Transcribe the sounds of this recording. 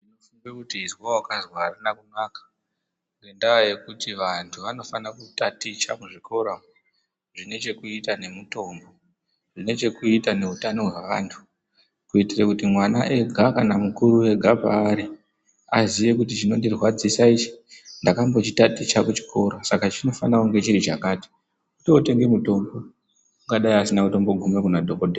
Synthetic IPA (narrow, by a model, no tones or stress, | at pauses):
inofuŋbekutiːzwawakazwaranakunakḁ | ŋɡendaoje̞kutiʋantʰuʋano̞fanakutatit͡ʃakuʐikʰo̞ɾa | ʐ̥ine̞t͡ʃe̞kuitane̞muto̞mbo | ʐine̞t͡ʃe̞kuitane̞utano̞ɦweʋa̰ːntʰu̥ | kuitirakutimwanaʔe̞ɡʱakanamukuɾue̞ɡʱapa̰ːɾi | aziʋe̞k̬utit͡ʃino̞ndirwad͡zisait͡ʃi̥ndakambo̞t͡ʃitatit͡ʃakut͡ʃi̥ko̞ɾasakat͡ʃino̞fanauŋɡe̞t͡ʃiɾit͡ʃa̰kaːti̥ | kutiote̞ŋɡemuto̞mbo̞ | uŋɡaɗaiasinamuto̞mbo̞ɡʱume̞kunadʱokodʱe